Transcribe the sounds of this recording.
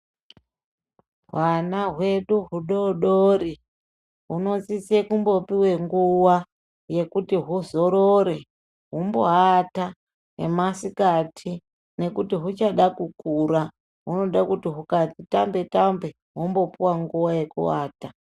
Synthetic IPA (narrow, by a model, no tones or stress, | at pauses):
ɦwanaɦwe̞ɗuɦuɗoɗoɾi | ɦuno̞t͡sisekumbo̞piwe̞ŋɡuwa | je̞kutiɦuzo̞ɾoɾe̞ | ɦumbo̞̰ɦata | nḛmasikatʰi | ne̞kutiɦut͡ʃaɗakukuɾa | ɦuno̞ɗakutiɦukatitambe̞tambe̞ | ɦumbo̞puwaŋɡuwaje̞kṵwa̰ːta